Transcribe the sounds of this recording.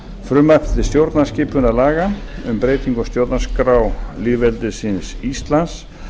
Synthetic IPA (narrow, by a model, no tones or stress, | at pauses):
fɾʏmaft̪ɪst̪jowɾt̪nascɪːpʏnalaːɣaʏmpɾeːjt̪iŋkɔst̪jowɾt̪naskɾawliːðvɛlt̪ɪsɪnsist̪lans